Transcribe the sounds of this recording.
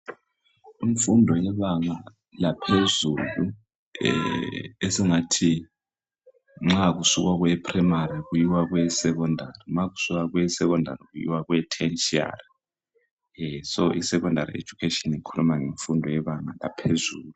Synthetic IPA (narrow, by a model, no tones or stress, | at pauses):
iɱfundʱɔjɛβaŋa | lapʰezulṵ | esiŋatʰi | ŋ͡ǁaɣ̬usukwaɣ̬wɛpʰʼrimaɾiɣujiwaɣwɛsɛk̬ɔndʱariŋ͡ǁaɣusuk̬aɣwɛsɛk̬ɔndʱa̰riɣujḭwaɣwɛtʰɛnt͡ʃʼia̰ri | sɔʔisɛk̬ɔndʱaɾḭḛd͡ʒ̥ʱukʰetɔnikʰulumaŋeɱfundʱɔjɛβaŋala̰pʰezuːlu